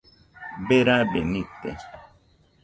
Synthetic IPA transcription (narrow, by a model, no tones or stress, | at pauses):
beɾabenit̪ḛ